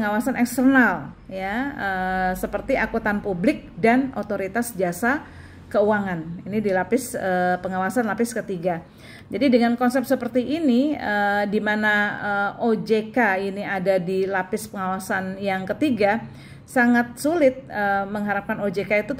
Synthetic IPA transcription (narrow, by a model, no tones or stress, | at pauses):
əŋawasanɛkst̪ərnaljaəsəpərt̪iʔakut̪anpublɪk̚danot̪oɾit̪asd͡ʒiasa | kəuaŋaninidilapɪsəpəŋawasanlapɪskət̪iɡa | d͡ʒadidəŋankɔnsɛp̪̚səpərt̪iʔːniədimanaəod͡ʒekainiadadilapɪspəŋawasanjaŋkət̪iɡa | saŋat̪̚sulɪt̪̚əməŋɦaɾap̚kanod͡ʒekait̪u